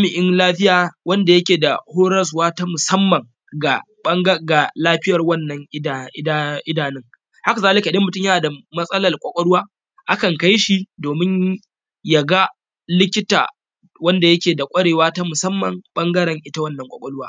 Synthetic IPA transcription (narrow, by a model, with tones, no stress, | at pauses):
mɪ˨ʔɪ˦nlaː˦ɸɪ˦jaː˨wɐ˦nda˨jɐ˦kʲeː˨da̰˨hoː˦ɾɐ˦s̬waː˦ta˦mʊ˨sɐ˦mːɐ˨ŋ | ɡa˨ | ɐ˦ŋɡɐ˦ɡa˨laː˦ɸɪ˦jɐ˨rwɐ˦nːɐ˨ŋʔʔɪ˦daː˨nɪ˦ŋ | ha˦ka˨zaː˦lɪ˦ka˨dɐ˦mːʊ˨tʊ˦jɐ˦naː˨da˨mɐ˦sʼɐ˦lɐ˨rkʷʼɐ˨kʷʼɐ˦ɽʊ˦waː˦ | ʔa˦kɐ˨ŋka˦jʃi˦doː˨mɪ˦ɲ | ja˨ɡa˦ | lɪ˦kʲɪ˦ta̰ː˨ | wɐ˦nda˨jɐ˦kʲeː˨da˨kʷʼɐ˦ɽeː˨waː˦ta˦mʊ˨sɐ˦mːɐ˨ŋɓɐ˦ŋɡɐ˦ɽɐ˨ŋʔɪ˦ta˦wɐ˦nːɐ˨ŋkʷʼɐ̰˨kʼɐ˦ɽʊ˦waː˦